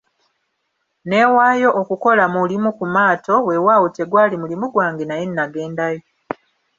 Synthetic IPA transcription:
ne̞ːwaːjo̞ʔːkuko̞lamulimukumaːto̞we̞waːwute̞ɡwaːlimulimuɡwaːŋɡenajenːaɡe̞ːndajo

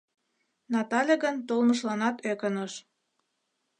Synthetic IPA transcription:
nɑt̪ɑlʲeɣənt̪olməʃlɑnɑt̪økənəʃ

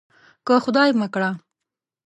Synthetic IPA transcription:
kəxʊd̪ɑjmakɽa

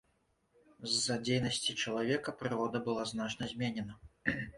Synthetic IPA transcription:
zːɐd͡zʲejnɐsʲt͡sʲit͡ʂɐlˠavʲɛkɐpɾɨɾɔd̪ɐbɨlˠaznat͡ʂnɐzʲmʲɛnʲɛnɐ

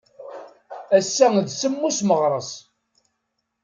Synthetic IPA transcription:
æsːæðsəmːusməʁɾˤəsˤ

